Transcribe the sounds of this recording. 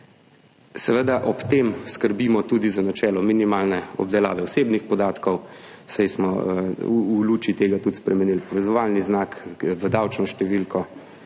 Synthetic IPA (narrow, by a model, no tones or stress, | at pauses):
sɛʋəd̪aʔɔpt̪emskəɾbiːmɔt̪uːd̪izanat͡ʃɛːlɔminimaːlnɛɔ̰b̚d̪ɛla̰ːʋɛɔseːbnixpɔd̪aːt̪kɔw | sajsmɔ | uluːt͡ʃit̪eːɡat̪ut̪spɾɛmɛniːlpɔʋɛzɔʋalniznakʋəd̪awt͡ʃnɔʃt̪ɛʋilkɔ